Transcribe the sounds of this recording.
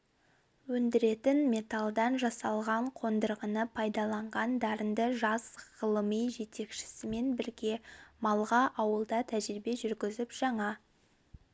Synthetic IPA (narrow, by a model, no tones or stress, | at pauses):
wɵnd̪ɪɾe̞t̪ɪnme̞t̪ɑlˠd̪ɑnʒɑsɑlˠʁɑɴqʰo̞nd̪əɾʁənəpʰɑjd̪ɑlˠɑɴʁɑnd̪ɑɾənd̪əʒɑzʁəlˠəmijʒe̞t̪e̞kʃɪ̥sɪme̞nbɪɾɡʲe̞mɑlˠʁɑʔɑwəlˠd̪ɑt̪ʰæʒɾɪbe̞ʒʏɾɡʲɪzɪpʒ̥ɑɴɑ